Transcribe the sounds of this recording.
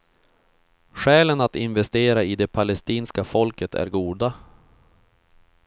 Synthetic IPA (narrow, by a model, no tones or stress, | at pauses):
ɧɛːlənat̪ɪnvɛst̪eːɾaɪd̪ɛpʰalɛst̪iːnskafɔlkət̪ʰæ̰ɾɡuːd̪a